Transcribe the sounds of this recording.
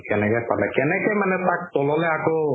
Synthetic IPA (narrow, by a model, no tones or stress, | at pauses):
kɛnɛkɛpatlakɛnɛkɛjmanɛt̪ak̚t̪ɔlɔlɛako